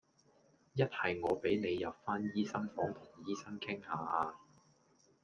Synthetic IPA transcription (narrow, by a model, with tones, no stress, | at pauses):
jɐ˥t̚hɐ˨jŋɔː˨˧pe˨˥jne˨˧jːɐ˨p̚faː˥njiː˥sɐ˥ŋfɔː˨˥ŋt̪ʰʊ˨˩ŋjiː˥sɐ˥ŋkʰɪ˥ŋhaː˨˧ʔaː˧